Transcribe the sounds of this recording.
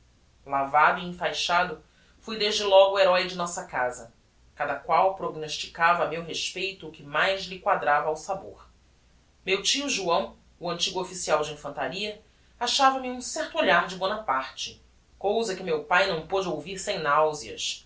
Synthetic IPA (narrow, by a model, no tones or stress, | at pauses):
lavad̪ʊiĩfajʃad̪ʊ | fujd̪eʒd͡ʒɪlɔɡʊːeɾɔjd͡ʒɪnɔsɐkazɐ | kad̪ɐkwawpɾoɡnoʃt͡ʃi̥kavɐmewɦeʃpejt̪ʊːkɪmajzlɪkwad̪ɾavɐːwsabo̰ɾ | mewt͡ʃiʊʒuɐ̃w̃ | ʊɐ̃nt͡ʃiɡʊofisiawd͡ʒɪĩfɐ̃nt̪aɾiɐ | aʃavɐmɪũsɛχt̪ʊoʎaɾd͡ʒɪbõnɐpaɾt͡ʃɪ̥ | kowzɐkɪmewpajnɐ̃w̃pod͡ʒɪowviɾsẽj̃nawziɐ̰s